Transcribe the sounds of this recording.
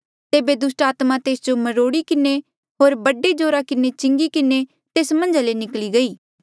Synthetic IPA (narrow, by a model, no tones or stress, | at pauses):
t̪eːbed̪ʊsʈaːt̪mãt̪eːsd͡ʒomɐɾoːɽikɪne | ɦoːɾbɐɖed͡ʒoːɾakɪnet͡ʃɪ̃ŋɡikɪne | t̪eːsmɐ̃ɲd͡ʒalenɪkliɡɐiː